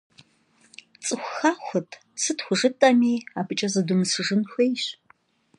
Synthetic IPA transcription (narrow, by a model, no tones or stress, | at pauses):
t͡sʼɨxʷʊxaːxʷɐtʰ | sɨtxʷʊʐɨtʼɐmiːaːpʰɨt͡ʃʼɐzɨdumɨsɨʐɨnxʷejɕ